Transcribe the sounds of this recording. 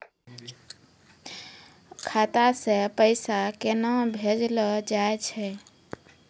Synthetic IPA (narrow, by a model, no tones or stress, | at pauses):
kʰat̪asẽpəɪsakenabʱed͡ʒlɔd͡ʒaet͡ʃʰɛ